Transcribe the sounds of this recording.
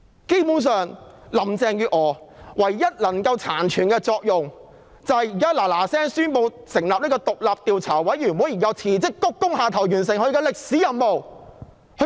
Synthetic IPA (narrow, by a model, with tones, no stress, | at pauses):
ke˥jpu˨˥ns̬œː˨ŋlɐ˨˩mt͡sɛː˧ŋjyː˧ʔŋɔː˨˧wɐ˨˩jːɐ˥t̚lɐ˨˩ŋkɐ˧wt͡sʰaː˨˩nt͡ʃʰyː˨˩nkɛː˧t͡sɔː˧k̚jʊ˨ŋ | t͡sɐ˨˧hjiː˨kaː˥laː˨˩laː˨˩sɛː˥ŋsyː˥npo˧w | sɪ˨˩ŋlaː˨p̚niː˥kɔː˧t̪ʊ˨k̚laː˨p̚t̪iː˨˧wt͡sʰaː˨˩wwɐ˨˥jjyː˨˩muː˨˥jiː˨˩kɐ˨˧wt͡sʰiː˨˩t͡sɪ˥kːʊ˥kːʊ˥ŋhaː˨˧t̪ʰɐ˨˩wjyː˨˩ns̬ɪ˨ŋhɵ˧ɥkɛː˧lɪ˨k̚siː˨˥jɐ˨nmo˨w | hɵ˧